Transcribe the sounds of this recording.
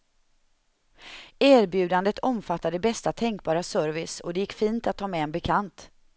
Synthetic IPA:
æːɾbjʉ̟ːd̪and̪ət̪ʰɔmfat̪ːad̪əbɛst̪at̪ʰɛŋk̚bɑːɾasœɾvɪsɔ̰d̪ɛjɪkːfiːnt̪at̪ʰːɑːmɛɛnbɛkʰant̪

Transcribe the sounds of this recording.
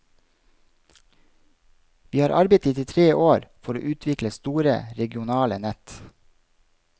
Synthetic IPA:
ʋiːhɑːɾʔɑɾbeɪt̪iːt̪ɪt̪ʰɾeːʔoːɾfɔɾo̰ːʔʉːt̪ʰʋɪkləst̪uːɾə̰ɾɛɡɪʊnɑːlənɛt̪

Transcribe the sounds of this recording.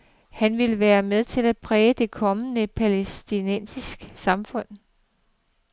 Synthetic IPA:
hænʋe̝ləʋæːɐmeð̞ˠt͡sʰe̝læd̥̚pʰʁɛːd̥e̝kʰɒ̽mənəpʰælesd̥inen̰sisɡ̥ə̥sɑ̈mfɔ̽n̰

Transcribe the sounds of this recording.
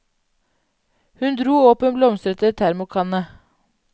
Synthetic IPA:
hʉnd̪ɾuːɔːpənblɔmst̪ɾət̪ət̪ʰæɾmʊkʰɑnə

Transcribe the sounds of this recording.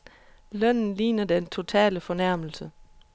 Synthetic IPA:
lœn̰n̩liːnɐd̥ent͡sʰo̝t͡sʰɛ̰ːləfɒ̽næɐ̰ml̩sə

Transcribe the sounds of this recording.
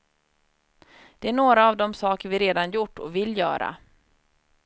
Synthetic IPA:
d̪̥ɛæɳoːɾaːvd̪ɔmsɑːkəɾvɪɾeːd̪anjʊʈːɔ̰vɪlːjœ̰ːɾa̰

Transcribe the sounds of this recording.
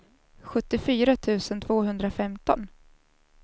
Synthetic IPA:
ɧɵt̪ːɪfyːɾat̪ʰʉ̟ːsənt̪ʰv̥oːɦɵnd̪ɾafɛmt̪ɔn

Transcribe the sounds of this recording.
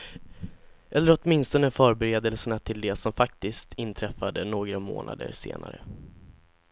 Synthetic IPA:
ʔɛlːəɾɔt̪mɪnst̪ɔnəfœːɾbɛɾeːd̪ɛlsəɳat̪ʰɪld̪ɛsɔmfak̚t̪ɪst̪ʰɪnt̪ʰɾɛfːad̪ənoːɡɾamo̰ːnʔa̰d̪ə̰ɾsḛːna̰ɾə̰

